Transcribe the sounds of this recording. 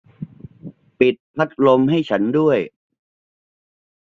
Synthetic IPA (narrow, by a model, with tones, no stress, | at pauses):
pi˨˩t̪̚pʰa˦˥t̪̚lo˧mɦa˥˩jt͡ɕʰa˦˥ndu˥˩əj